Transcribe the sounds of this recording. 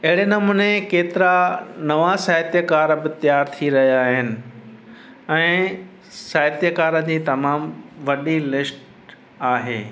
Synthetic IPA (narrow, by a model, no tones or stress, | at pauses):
ɐɦɪɽenɐmunekeːt̪ɪɾanɐʋasaːɦət̪jəkaːɾbɪt̪ɪjaːɾt̪ʰiɾɐɦijaːɦɪnɪ̆ | ɛ̃ː | saːɦət̪jəkaːɾə̃d͡ʑiːt̪ɐmaːmʋɐɗilɪsʈ | aːɦḛː